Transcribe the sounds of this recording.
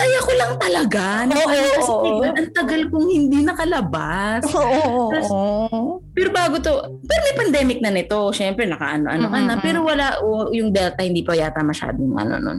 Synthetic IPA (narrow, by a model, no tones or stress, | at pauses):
kɐjɐkolɐŋt̪ɐlɐɡanɐoʔɐɐɪɡɐlʔɐŋt̪ɐɡalkʊŋhɪnd̪inɐkɐlɐbasoːʔoɐs | pɛɾobaːɡot̪o̞ | pɛɾomɛjpɐnd̪ɛːmɪk̚nɐnɪt̪o̞ʃɛmpɾɛnɐkɐ̰ʔɐnoʔɐ̰nokɐnɐpɛːɾo̞wɐlaʔojʊŋd̪ɛt̪ɐhɪnd̪iːpɐjaːt̪ɐmɐʃa̰ːd̪ojʊŋʔɐ̰no̰no̰n